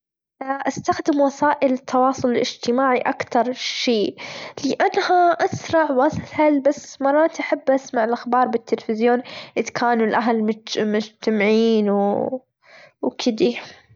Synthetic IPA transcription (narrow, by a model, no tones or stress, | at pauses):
ʔast̪axd̪ɪmwɑsaːʔɪlt̪ʰːɑwɑːsˤʊlɪlʔɪd͡ʒt̪ɪmaːʕiʔakt̪ɑɾˤʃeːlɪʔanːhaʔasɾˤɑʕwashalbasːmɑrˤːɑːt̪ʔaħabːʔasmaʕɪlʔaxbɑːɾˤbɪt̪ːɪlfɪzjoːnʔɪd̪kʰaːnulʔaɦlmmʊd͡ʒt̪amɪʕiːnw | wkʰɪd̪i